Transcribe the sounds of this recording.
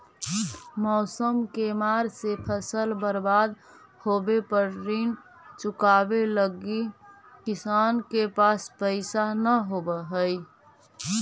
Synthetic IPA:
mɔːsəmkemaɾsepʰəsəlbəɾbad̪ | hobepəɾɾin | t͡ʃukabeləɡi | kisankepaspəɪsanəɦobəɦəj

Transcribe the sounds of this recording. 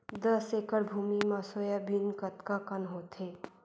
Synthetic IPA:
d̪əseːkəɾbʱuːmimasoːjabinkət̪kakənɦoːt̪eː

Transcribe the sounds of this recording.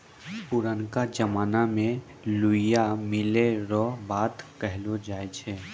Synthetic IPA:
pʊɾənkad͡ʒɐmaːnamẽ | lʊɪjamɪleɾɔbaːt̪kɛɦlod͡ʒaːet͡ʃʰɛː

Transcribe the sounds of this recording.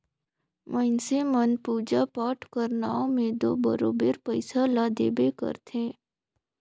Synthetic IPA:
məɪnsemənpuːd͡ʒapaːʈkəɾnaːõmẽd̪o̰ːbə̰ɾoːbeɾpəɪsalad̪eːbekə̰ɾt̪ʰẽ

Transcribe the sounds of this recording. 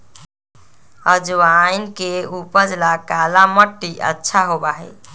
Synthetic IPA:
əd͡ʒwajnkeupəd͡ʒlakalaməʈːiʔə̰tːʃʰaɦobaɦɛ

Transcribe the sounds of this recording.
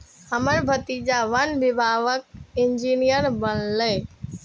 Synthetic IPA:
həməɾbʱət̪id͡ʒaʋənʋɪbʱaʋək̚ɪnd͡ʒinijəɾbənləː

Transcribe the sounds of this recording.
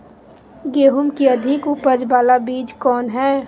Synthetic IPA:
ɡeːɦʊmkiɐd̪ʱɪkʊpəd͡ʒbaːlabiːd͡ʒkɔːnɦɛː

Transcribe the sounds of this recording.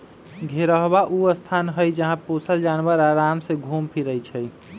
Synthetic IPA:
ɡʱeɾəɦbaʔuəst̪ʰanɦəjd͡ʒəɦãposəld͡ʒanwəɾaɾamsẽɡʱumpʰiɾəjt͡ʃʰɛəj

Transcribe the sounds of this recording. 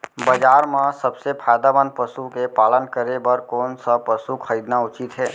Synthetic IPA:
bəd͡ʒaːɾmãsəbsepʰaːjd̪abənpəsukepaːlənkəɾebəɾkoːnsəpəsukʰəɾiːd̪naʊt͡ʃɪt̪ɦɛː

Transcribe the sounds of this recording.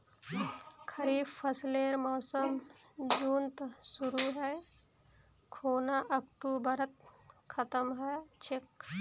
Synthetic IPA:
kʰɐɾiːbpʰːɐsleɾmɔːsəm | d͡ʒuːnt̪suɾuɦɛj | kʰoːnaʔɐkʈubɐɾət̪̚kʰɐt̪əmɦɛjt͡ʃʰek

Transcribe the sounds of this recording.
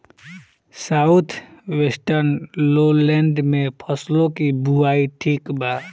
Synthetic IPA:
saːʊt̪ʰwesʈəɾnlolɛ̃ːɳɖmẽpʰəslõkibuaːiʈʰiːkbaː

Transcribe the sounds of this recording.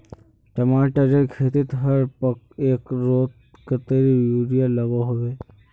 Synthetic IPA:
ʈɐmaːʈəd͡ʒekʰeːt̪ɪt̪ɦɐɾpɐk | eːkɾoːt̪ | kət̪eɾijuːɾijalɐɡoɦoːɡeː

